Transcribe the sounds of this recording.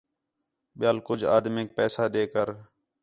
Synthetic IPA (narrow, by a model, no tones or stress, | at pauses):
ɓɪjaːlkʊd͡ʒʱa̰ːd̪meːk̚pɛːsaːɗeːkəɾ